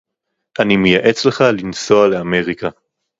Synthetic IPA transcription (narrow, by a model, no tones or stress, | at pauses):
ʔanimejaʔe̞t͡sle̞χalinso̞ale̞ame̞ʁika